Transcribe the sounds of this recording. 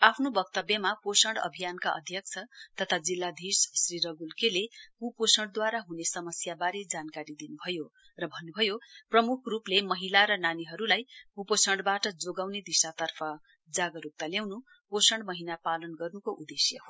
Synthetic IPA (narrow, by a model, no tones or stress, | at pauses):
apʰnobʌkt̪ʌbjʌmaposʌɳɽʌ̰bʱijankaʔʌ̰d̪ʱjʌk̚t͡sʰʌt̪ʌt̪ʰad͡zilːad̪ʱissriɾʌɡulkelekuposʌɳɽd̪waɾaɦunesʌmʌsjabaɾed͡zankaɾid̪inubʱʌjo | rʌbʱʌnːubʱʌjoprʌmukʰruplemʌɦilaɾʌnaniɦʌɾulajkuposʌɳɖbaʈʌd͡zoɡawned̪isat̪ʌrpʰʌ | d͡zaɡʌɾuk̚t̪aljawnu | posʌɳɖmʌɦinapalʌnɡʌrnukoʔud̪esjʌho